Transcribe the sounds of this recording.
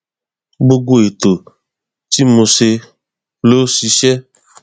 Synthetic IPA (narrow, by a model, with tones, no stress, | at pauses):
ɡ͡bo˦ɡo˦e˨t̪o˨ | t̪i˦mo˧se˧ | lo˦si˨˧˦ʃɛ˦